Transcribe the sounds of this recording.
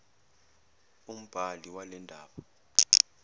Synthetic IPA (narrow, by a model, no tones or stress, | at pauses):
um̩b̥ʱaliwalɛndʱa̰ːɓɔ